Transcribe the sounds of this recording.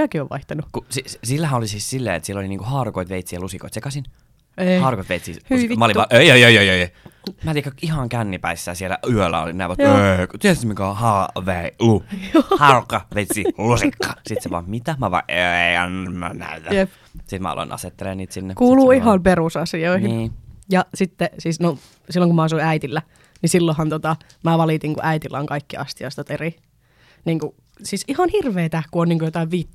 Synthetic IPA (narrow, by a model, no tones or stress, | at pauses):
ækioʋʋɑ̰iht̪ɑnukusisilːæɦæolisiːssilːḛːet̪sielːoliniːŋkuhɑːrukoit̪ʋeit̪siːjælusiko̰it̪sekɑsin | hɑːrukoit̪eit̪siːhimæɑoliʋɑʔejojojojojomæːt̪ikːɑihɑŋkænːipæisːæːsielæ̰ʔyølːæ̰o̰linæ̰ːʋɑtekt̪iest̪mikæhɑːʋeiluhɑrukːɑʋeit̪siːlusikːɑ̥ːsit̪seʋɑ̰mmit̪æmæʋɑ̰ʔeeiɑ̰nːæ̰næ̰yt̪æjep | sit̪mæ̰ɑ̰lo̰nɑ̰set̪ːeleːniːt̪sinːekuːluːiɦɑmperusɑsioihinːjɑsit̪ːesiːsno | silːoŋkumæɑsuiæit̪ilːæ | nisilːohɑnt̪ot̪ɑ | mæːʋɑlit̪iŋkṵʔæit̪ilːæoŋkɑikːiɑ̰st̪iɑist̪ɑt̪eri | niːŋku | siːsihɑnhirʋeːt̪ækuoniːŋkujot̪ɑiʋʋit̪ː